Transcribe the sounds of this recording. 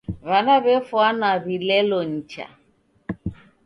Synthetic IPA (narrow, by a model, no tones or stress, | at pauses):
βanaβɛfwanaβilɛlɔɲ̩t͡ʃa̰